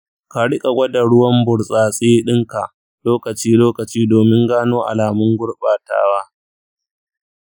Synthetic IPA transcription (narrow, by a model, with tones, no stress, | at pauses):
ka˨ɽɪ˦kʼa˨ɡʷɐ˦da˨ɽʊ˦wɐ˦mbʊ˨ɽsʼaː˨sʼeː˦ɗɪ˦ŋka˨ʔ | loː˦kɐ˨t͡ʃiː˦loː˦kɐ˨t͡ʃiː˦doː˨mɪ˦ŋɡaː˦noː˦ʔa̰˨laː˨mʊ˦ŋɡʷʊ˦ɽɓaː˨ta̰ː˦waː˦